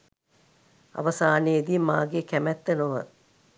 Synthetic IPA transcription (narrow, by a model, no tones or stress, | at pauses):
ɐ̰ʋɐsaːned̪imaːɡekæmæt̪ːənoʋə